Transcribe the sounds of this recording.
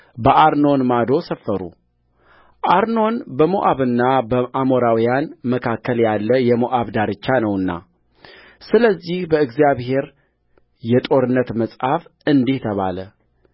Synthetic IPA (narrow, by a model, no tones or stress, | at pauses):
bəʔaɾno̞nmad̪o̞səfːəɾṵ | ʔaɾno̞nbəmoʔaβɨnːabəʔamo̞ɾawijanməkʰakːəljalːəjɛmoʔaβd̪aɾɨt͡ʃːanəwɨnːa̰ | sɨləzːihbəɨɡzijaβhe̞ɾ | jɛt̪ʼo̞ɾɨnːət̪məsʼhafɨnd̪iht̪ʰəβa̰lə